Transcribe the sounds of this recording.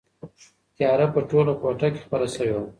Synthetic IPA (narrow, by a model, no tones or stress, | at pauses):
t̪jɑɾapəʈolokoʈake̥xpəɾasəwewa